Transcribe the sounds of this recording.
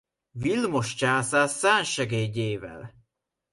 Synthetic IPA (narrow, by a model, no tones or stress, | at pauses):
vilmoʃt͡ʃaːsaːsːaːnʃɛɡeːɟeːvɛ̰l